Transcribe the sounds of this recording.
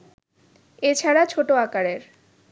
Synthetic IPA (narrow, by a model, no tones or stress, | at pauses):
et͡ɕʰaɾat͡ɕʰoʈoakaɾeɾ